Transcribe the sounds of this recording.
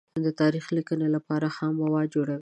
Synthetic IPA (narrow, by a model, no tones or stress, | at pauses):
d̪ət̪ɑɾixlikənelapɑɾahamːawɑd͡ʒoɽawi